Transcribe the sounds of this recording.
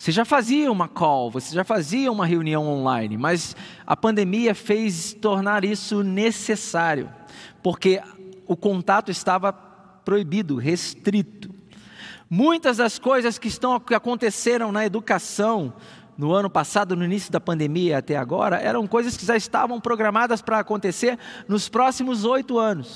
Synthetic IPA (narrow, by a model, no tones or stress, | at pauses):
voseʒafaziɐũmɐkawvoseʒafaziɐũmɐɦeuniɐ̃w̃õlãj̃nɪ̰mɐz | ɐ̰pɐ̃nd̪emiɐfejst̪oɾnaɾisʊnesesaɾjʊ̰poɾkeʊkõnt̪at̪ʊɪst̪avɐ | pɾoibid̪ʊɦest̪ɾit̪ʊ̥ | mũj̃t̪ɐzd̪ɐskojzɐskɪɪst̪ɐ̃w̃aɪakõnt̪eseɾɐ̃w̃nɐed̪ukasɐ̃w̃ | nʊɐ̃nʊpasad̪ʊnʊinisjʊd̪ɐpɐ̃nd̪emiɐat̪ɛa̰ɡɔ̰ɾɐ̰ʔɛ̰ɾɐ̃w̃kojzɐskɪʒaɪst̪a̰vɐ̃w̃pɾoɡɾamad̪ɐspɾɐːkõnt̪eseɾnʊspɾɔsimʊzojt̪ʊɐ̃nʊs